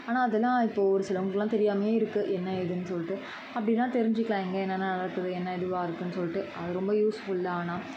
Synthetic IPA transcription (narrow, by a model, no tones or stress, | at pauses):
aːnaːɐðɛlːãːɪpːoːɔɾɯsɪlɐʊŋɡɐɭkːɛlːãːt̪ɛɾɪjaːmɐjeːɪɾɯkːɯʔɛnːɐɪðɯnːɯsɔlːɪʈːɯ | ɐpːɐɽɪnːãːt̪ɛɾɪɲd͡ʒɯkːɪɭãːɛŋɡɐɛnːɐnːanɐɽɐkːɐðɯɛnːɐɪðɯʋaːɪɾɯkːɯnːɯsɔlːɪʈːɯʔɐðɯɾɔmbɐjuːsfʊɭɪlːaːnaː